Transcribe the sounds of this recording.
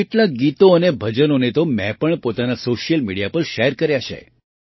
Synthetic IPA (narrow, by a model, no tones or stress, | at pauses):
eʈlaɡit̪oənebʱəd͡ʒənonet̪omɛ̰̃pəɳpot̪anasoʃijəlmiɽijapəɾʃeɾkəɾjaʃʰḛ